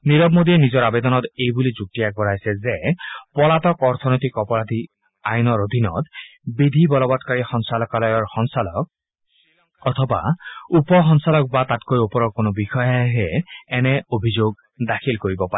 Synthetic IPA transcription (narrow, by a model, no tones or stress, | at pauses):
niɹɔbmod̪iɛnizɔɹabɛd̪ɔnɔt̪ejbulizuk̚tijak̚bɔɹajsɛzɛpɔlatɔkɔɹt̪ʰɔnojt̪ikɔpɔɹad̪ʱi | ajnɔɹod̪ʱinɔ̰t̪bid̪ʱibɔlɔbɔtkaɹixɔŋsalɔkalɔjɔɹxɔŋsalɔ̰k̚ | ɔt̪ʰɔba̰upɔxɔnsalɔk̚bat̪atkojopɔɹɔɹkonobixɔjaɦɛːnɛobʱizoɡ̚ | dakʰilkoɹibɔpaɛ